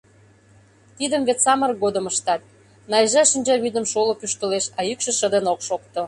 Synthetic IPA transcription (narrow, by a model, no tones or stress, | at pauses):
t̪id̪əmβet̪t͡sɑmə̆rɡod̪ə̆məʃt̪ɑt̪̚ | nɑjʒɑʃənʲd͡ʑɑβyd̪ə̆mʃolopyʃt̪ə̆leʃɑjykʃə̆ʃə̆d̪ənokʃokt̪o